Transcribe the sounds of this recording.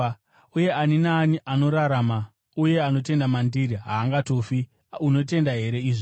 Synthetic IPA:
uje̞aninaniʔano̞ɾaɾama | uje̞ano̞te̞ndamandiɾiɦaːŋɡato̞ːfi | uno̞te̞ndaɦe̞ɾe̞iːʐo

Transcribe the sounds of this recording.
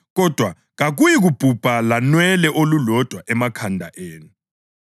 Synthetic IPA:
ɣɔd̥ʱwa | ɣaɣujiɣub̥ʱub̥ʱalanwɛlɛʔolulɔd̥ʱwaʔɛmakʰandʱa̰ʔeːnu

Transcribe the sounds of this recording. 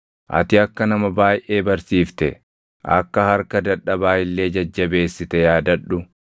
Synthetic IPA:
ʔɐ̰t̪ɪɐkːɐnɐmɐbaːjʔe̞ːbɐɾsiːft̪ɛ | ʔɐ̰kːɐhɐɾkɐd̪ɐᶑːɐbaːjɪlːe̞ːd͡ʒɐd͡ʒːɐbe̞ːsːɪt̪ɛjaːd̪ɐᶑːʊ

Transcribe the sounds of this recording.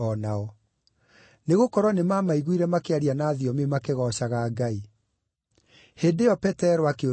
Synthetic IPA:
ɔnaɔ | neɣokɔɾwɔnemamaiɣwiɾɛmakeaɾianaːðiɔmemakeɣɔɕaɣaːɡai | heːdeɔpɛtɛɾɔakeo

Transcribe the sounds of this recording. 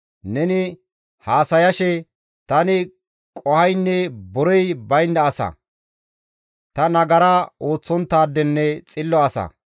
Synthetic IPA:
nɛnɪ | haːsɐjɐʃɛ | t̪ɐnɪ | kʼɔhɐjnːɛbɔɾɔjbɐjnːɐːsɐ̰ | t̪ɐnɐɡɐɾɐo̞ːt͡sːɔnt̪ːaːd̪ːɛnːɛt͡sʼɪlːɔɐsɐ̰

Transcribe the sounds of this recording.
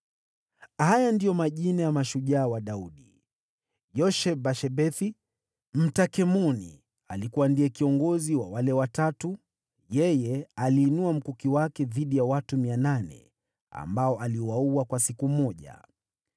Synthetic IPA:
hajandijɔmaʄinajamaʃuʄaːwaɗauɗi | jɔʃɛbaʃɛbɛθi | m̩takɛmɔnḭ | alikuwandiɛkiɔŋɡɔziwawalɛwatatu | jɛjɛaliːnuam̩kukiwakɛðiɗijawatumiananɛ̰ | a̰mbaɔʔaliwauwakwasikumɔʄa̰

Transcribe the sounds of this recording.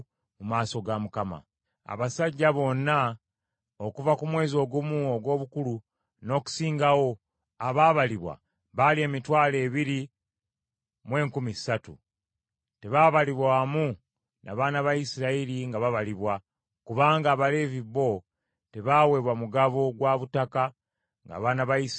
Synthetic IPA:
mumaːso̞ɡamukama̰ | a̰βasaɟːaβo̞nːa | okuvakumwe̞ːzio̞ːɡumuoɡwo̞ːβukulu | no̞ːku̥siːŋɡawo̞ | aβaːβaliβwa̰ | βalie̞ːmitwaːle̞ːβiɾi | mwe̞ːŋkumisatṵ | te̞βaβaliβwaːmu | nʔa̰βaːnaβaisiɾailiŋɡaβaβaliβwa | kuβaːŋɡaːβale̞viβo̞ | te̞βaːwe̞ːβwamuɡaβo̞ɡwaβutaka | ŋɡa̰ːβaːnaβai

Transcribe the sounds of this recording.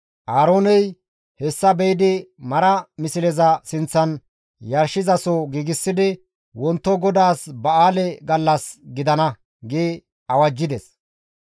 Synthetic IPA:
ʔaːɾo̞ːnɛj | hɛsːɐbɛjd̪ɪmɐɾɐmɪsɪlɛzɐsɪnt͡sːɐn | jɐɾʃːɪzɐsɔɡiːɡɪsːɪd̪ɪ | wɔnt̪ːɔɡɔd̪aːsbɐaːlɛɡɐlːɐsɡɪd̪ɐnɐ | ɡeː | ɐwɐd͡ʒːɪd̪ɛs

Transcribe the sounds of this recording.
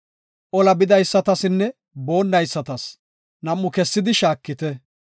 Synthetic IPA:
ʔɔlɐbɪd̪ɐjsːɐt̪ɐsɪnːɛ | bo̞ːnːɐjsːɐt̪ɐs | nɐmːʊkɛsːɪd̪ɪʃaːkːɪt̪ɛ

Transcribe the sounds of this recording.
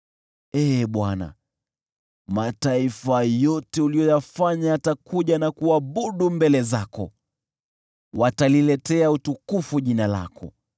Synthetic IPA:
ɛɓwana̰ | mataifajɔtɛulijɔjafaɲaːtakʰuʄanakuaɓuɗumbɛlɛzakɔ̰ | watalilɛtɛautukufuʄinala̰kɔ̰

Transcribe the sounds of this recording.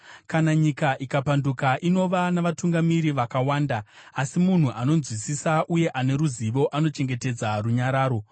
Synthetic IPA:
kanaɲikaʔikapandukaʔino̞ʋanaʋatuŋɡamiɾiʋakawaːndaːsimun̤uʔano̞nzwisisaʔuje̞ʔane̞ɾuziʋo̞ʔano̞t͡ʃe̞ŋɡe̞te̞d͡zaruɲaɾaːɾo̞

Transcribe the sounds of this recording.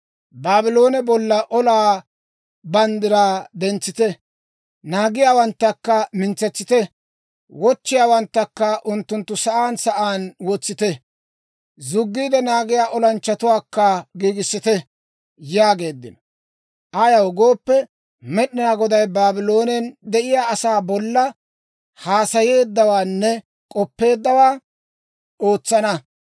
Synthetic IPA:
baːbɪloːnɛbɔlːɐʔɔlaː | bɐnd̪ɪɾaːd̪ɛnt͡sːɪt̪ɛ | naːɡɪjaːwɐnt̪ːɐkːɐmɪnt͡sɛt͡sːɪt̪ɛ | wɔt͡ʃːɪjaːwɐnt̪ːɐkːɐʔʊnt̪ːʊnt̪ːʊsɐʔaːnsɐʔaːnwɔt͡sːɪt̪ɛ | zʊɡːiːd̪ɛnaːɡɪjaːʔɔlɐnt͡ʃːɐt̪ʊwaːkːɐɡiːɡɪsːɪt̪ɛ | jaːɡe̞ːd̪ːɪ̰nɔ | ʔɐjɐwɔɡo̞ːpːɛ | mɛɗɪnaːɡɔd̪ɐjbaːbɪlo̞ːnɛnd̪ɛʔɪjaːɐsaːbɔlːɐ | haːsɐje̞ːd̪ːɐwaːnːɛ | kʼɔpːe̞ːd̪ːɐwaː | o̞ːt͡sːɐnɐ

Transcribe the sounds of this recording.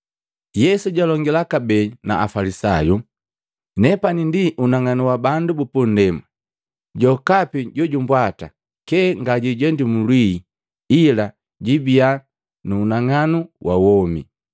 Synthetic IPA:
jɛsuɟalɔŋɡilakabɛna̰a̰falisaju | nɛpanindiʔunaŋanuwabandubupun̩dɛma | ɟɔkapiɟɔɟumbwata̰ | kɛŋɡaɟiɟɛndimulwiː | ila | ɟibia | nuːnaŋanuwʔa̰wɔmḭ

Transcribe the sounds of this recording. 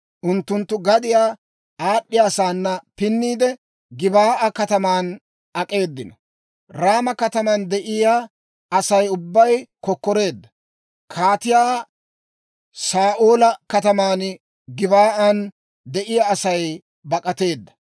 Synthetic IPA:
ʔʊnt̪ːʊnt̪ːʊɡɐd̪ɪjaː | aːɗːɪjaːsaːnːɐpɪnːiːd̪ɛ | ɡɪbaːʔɐkɐt̪ɐmaːn | ɐkʼe̞ːd̪ːɪnɐ | ɾaːmɐkɐt̪ɐmɐnd̪ɛʔɪja | ɐsɐjʊbːɐjkɔkːɔɾe̞ːd̪ːɐ̥ | kʰaːt̪ɪjaː | saːʔo̞ːlɐkɐt̪ɐmaːn | ɡɪbaːʔɐn | d̪ɛʔɪjaːsɐj | bɐkʼɐt̪e̞ːd̪ːɐ̥

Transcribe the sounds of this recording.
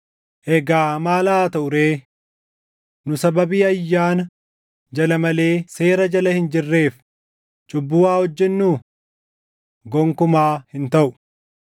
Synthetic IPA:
ʔɛɡaːmaːlaːt̪ɐʔʊɾeː | nʊsɐbɐbiːɐjːaːnɐ | d͡ʒɐlɐmɐle̞ːse̞ːɾɐd͡ʒɐlɐhɪnd͡ʒɪrːe̞ːf | t͡ʃʼʊbːʊːwaːhɔd͡ʒːɛnːuː | ɡɔŋkʊmaːhɪnt̪ɐʔʊ̥

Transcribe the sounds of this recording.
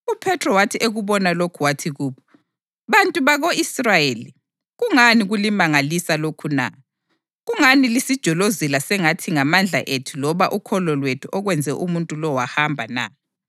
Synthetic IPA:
upʰɛtʰrɔwatʰiʔeɣuβɔnalokʰuwatʰiɣuːβʰɔ | βantʼuβaɣoisrajeːli | ɣuŋaniɣulimaŋalisalokʰuna̰ | ɣuŋanilisid̥ʒ̥ʱɔlozilasɛŋatʰiŋamand͡ɮʱa̰ʔetʰulɔβaʔukʰɔlɔlwetʰuʔɔɣwɛnd͡zʱɛʔumuntʼulɔwahambʱana̰

